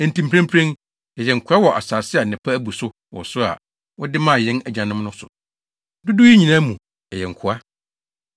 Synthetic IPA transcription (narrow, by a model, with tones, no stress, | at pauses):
ɛ̃˨n˨tĩ˨m˨pʰɾã˦m˦pʰɾɛ̃˦n | ɛ˨jɛ˨ŋ̩˨kʰʊ˨a˦wɔ˨ʔa̰˨saː˨sɪ˦a˨nɪ̃˨pʰa˦æ˦bu˨sʊ˦ | wɔ̰˨sʊ˦a̰˨ | wɔ˦dɪ˦mã˦˨jɛ̃˦næ˨d͡ʑã˨nɪ̃˦m˦nʊ̃˦sʊ̰˨ | dʊ˦dʊ˦ji˦ɲĩ˨nã˦mũ˨ | ɛ˨jɛ˨ŋ̩˨kʰʊ˨a˦